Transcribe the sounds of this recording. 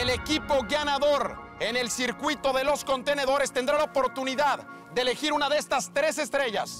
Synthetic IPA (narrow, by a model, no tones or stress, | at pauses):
ele̞kipo̞ɣanaðo̞ɾ | e̞ne̞lsiɾkwit̪o̞ðe̞lo̞sko̞nt̪e̞ne̞ðo̞ɾe̞st̪end̪ɾalaopo̞ɾt̪uniðað | d̪eeːle̞xiɾunaðeest̪ast̪ɾe̞se̞st̪ɾe̞ʝa̰s